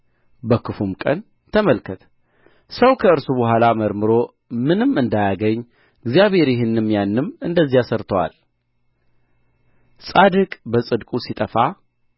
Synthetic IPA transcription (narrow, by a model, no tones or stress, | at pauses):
bəkʰɨfumkʼə̰n | t̪ʰəməlkʰət̪ʰ | səwkʰəɨɾsubəɦʷalaməɾmɨɾo̞ | mɨnɨmɨnd̪ajaɡəɲː | ɨɡzjaβhe̞ɾjɪɦɪnːɨmjanːɨmɨnd̪əzːijasəɾt̪ʰəwa̰l | sʼad̪ɨkʼbəsʼɨd̪kʼusit̪ʼəfa